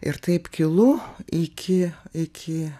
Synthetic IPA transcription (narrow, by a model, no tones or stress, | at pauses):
ɪ̰ɾt̪ɐɪpkʲɪlˠʊɪkʲʰɪɪkʲʰɪ